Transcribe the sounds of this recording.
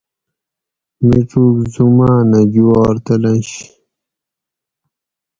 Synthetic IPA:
miʈ͡ʂukzumaːnɐd͡ʑuwaːɾt̪ɐlɐnɕ

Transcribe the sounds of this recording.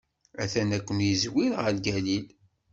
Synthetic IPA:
æθænækʷːənjizwilʁəɾlɡælil

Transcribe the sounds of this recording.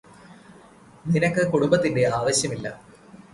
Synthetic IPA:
ninɐkːɨkuɽumbɐt̪ːinde̞aːʋɐɕjɐmilːɐ̰

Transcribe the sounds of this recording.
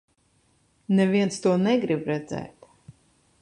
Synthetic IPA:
nɛviɛnst̪uɔnɛɡɾibɾɛd̪zɛ̰ːt̪

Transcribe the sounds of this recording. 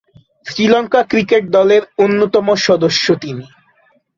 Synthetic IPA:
sɾilɔŋkakɾikeʈ̚d̪ɔleɾonːot̪ɔmoʃɔd̪oʃːot̪ini

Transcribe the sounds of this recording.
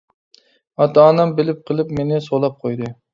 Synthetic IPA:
ɑt̪ɑːnɑmbɪlɪp̚qʰəlˠɨpmenɪsolˠɑp̚qʰojd̪ɨ

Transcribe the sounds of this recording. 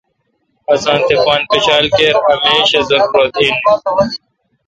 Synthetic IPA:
ɐsãːnt̪epaːnpɐt͡ɕaːlkeɾɐmeːɕɐzɐkɾot̪iːn

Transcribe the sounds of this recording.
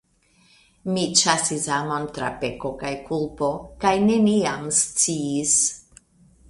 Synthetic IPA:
mit͡ʃasisamo̞ntɾa̰pe̞ko̞kajkulpo̞kajne̞niamst͡siːs

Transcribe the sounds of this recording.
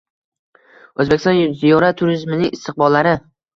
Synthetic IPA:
ɵzbe̞kʲʰɪst̪nzijɒɾat̪ʰːʊɾɪzmɪnɪŋɪst̪ʰɪq̚bɒlːaɾɪ

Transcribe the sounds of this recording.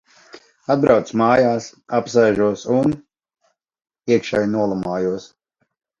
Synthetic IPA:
ad̪̚bɾawt̪smaːjaːsapsajʒuɔsun | iɛkʃɛjnuɔlˠamaːjuɔs

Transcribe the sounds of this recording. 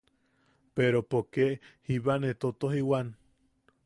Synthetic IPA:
peɾopokeʔhiβanet̪ot̪oɦiwan

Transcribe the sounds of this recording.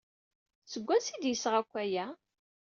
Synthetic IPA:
t͡sːəɡʷːænsid̪jəsʁækʷːæjæ

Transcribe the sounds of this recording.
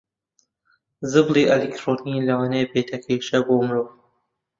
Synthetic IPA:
zɨbliːʔelikt̪ʰɾonilɐwɑːnebeːt̪ʰɐkʰeʃɐboːmɨɾoːv

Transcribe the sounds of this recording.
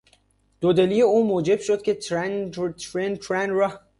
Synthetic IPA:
d̪̥od̪elijeuːmoːd͡ʒeb̥ʃod̪̥̚kʲʰet̪nɾent̪ʰɾænɾa

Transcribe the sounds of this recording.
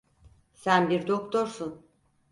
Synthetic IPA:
sænbiɾd̪okt̪ʰoɾsun

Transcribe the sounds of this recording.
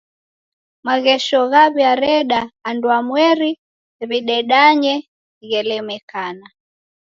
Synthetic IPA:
maɣɛʃɔɣaβjaɾɛɗaːndwamwɛɾi | βiɗɛɗaɲɛ | iɣɛlɛmɛkana

